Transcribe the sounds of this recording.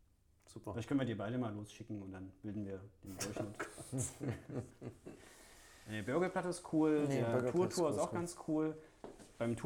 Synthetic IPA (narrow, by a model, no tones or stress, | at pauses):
fz̥uplaɪtkʰœnviːɐdiːɐbaɪɾəmaːlːoːsʃɪkŋ̩ʊntd̥anb̥ɪldn̩viːɐd̥eːndɔɐçn̩ʊtkʰo̥ | eɐbʏɐɡəplatəɪstkʰuːldeːɐtuːɐtʰuːɐɪstaʊxɡ̥ant͡skʰuːl | b̥aɪmtʰuː